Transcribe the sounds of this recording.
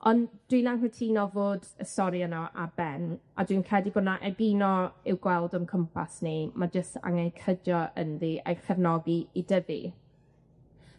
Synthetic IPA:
ɔnd̥winaŋkʰwɛtʰinɔvoːdəstɔɾjənɔʔabɛnadwinkʰrɛdibʊnaʔɛɡinɔɪwɡwɛlˠdɔmkʰəmpʰa̰snimad͡ʒəsta̰ŋakʰədjɔə̰nðiʔa̰jkɛvnɔɡiidəðḭ

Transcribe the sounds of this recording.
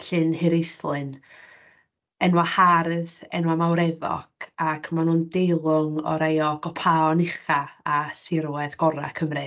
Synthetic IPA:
ɬɨnhɨɾɪslˠɨn | ɛnwaharðɛ̰nwamawɾɛðɔ̰ɡ̥akʰmanuːndejlˠʊŋɔ̰ɾejɔɡɔpʰaɔnɪχaːsɪɾwɛðɡ̥ɔɾa̰kʰəmrɨ

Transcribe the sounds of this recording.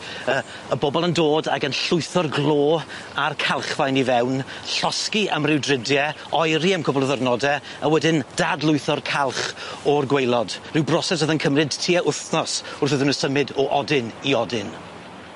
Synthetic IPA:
ə | əbɔbɔlˠəndoːda̰ɡənɬʊɨθɔrɡlˠoː | arkʰalˠχvajnivɛwn | ɬɔskiʔəmrɪwdrɪdjɛ | ɔjɾiamkʰʊbɔlˠðɔrnɔdɛ | awɛdɪnd̥aːdlˠʊjθɔrkʰalˠχɔrɡwejlˠɔdrɪwbrɔsɛs̬əðənkʰəmrɨdtʰiːaʔʊθnɔsʊrθəðɪnəsəmɨdɔʔɔdɪniɔdɪn

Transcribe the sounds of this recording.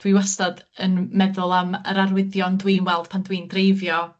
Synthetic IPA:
d̥wɪwastɔdənmɛðʊlˠamə̰ɾaɾwɪðjɔndwinwɛlˠd̥pʰandwiːndrejvjɔ

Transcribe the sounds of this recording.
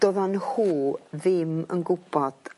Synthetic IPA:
d̥oðanhuːðɪmə̰nɡʊb̥ɔd̥

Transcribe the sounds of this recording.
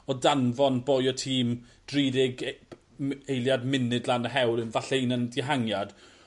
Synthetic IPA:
ɔdanvɔnboːjətʰiːm | d̥ridɪɡ | ejlˠjadmɪnɪdlanəɦɛwlˠɪnvaɬejnəndɪɦaŋjad̥

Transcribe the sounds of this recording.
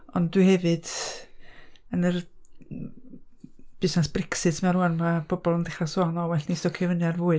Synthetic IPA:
ɔndwɨhɛvɨd̥ | ənər | b̥ɨsnɛsb̥rɛksɨtʰmaɾuanmab̥ʰɔbɔlˠəndɪχasɔanɔwɛɬnistɔkʰɛvənjarvʊːɨ

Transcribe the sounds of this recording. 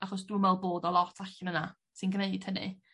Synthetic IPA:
aχɔs̬d̥uːmɛlˠboːdɔlˠɔtʰaɬnəna | sinɡneɨd̥hənɨ̰

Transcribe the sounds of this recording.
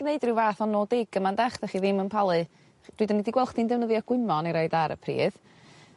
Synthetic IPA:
ɡ̥neɨdrɪwvaːθɔnoːdɪɡəmandɛχdɛχiðɪmənpʰalˠɨ | d̥wiːdɔnidiɡwɛlˠχd̥ʰiːndɛvnəðjɔɡ̥wɪmɔniɾɔɨdaɾə̰pʰrḭːð

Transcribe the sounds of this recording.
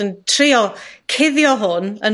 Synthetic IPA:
əntʰrɪɔkʰɪðjɔɦʊnən

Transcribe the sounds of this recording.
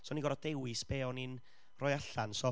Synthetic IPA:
sɔniɡɔɾɔd̥ewɪsb̥ɛɔnin | rɔjaɬansɔ

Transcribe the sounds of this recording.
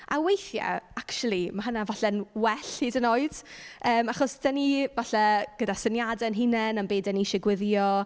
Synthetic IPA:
ʔawejθja̰akt͡ʃulˠimaɦənavaɬɛnwɛɬidənoːɨd̥əːmaχɔsd̥ɛnivaɬɛɡ̥ədasənjadɛnɦinɛnambeːdɛniʃɛɡwɪðjɔ

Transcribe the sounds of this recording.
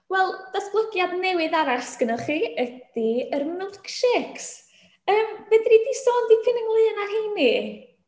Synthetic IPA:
wɛlˠd̥ɔsb̥lˠəɡjadnɛwɨðaɾaskənɔχiːəd̥iərmɪlˠkʰʃɪks | əːmvədɾidisoːndipʰɪnɪŋlˠɨːnarɦiːni

